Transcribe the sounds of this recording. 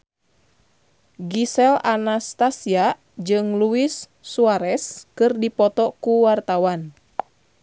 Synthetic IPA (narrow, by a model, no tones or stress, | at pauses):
ɡisɛlanast̪asia | d͡ʒɨŋluisː | uaɾɛskɨrdipɔt̪ɔkuwart̪awan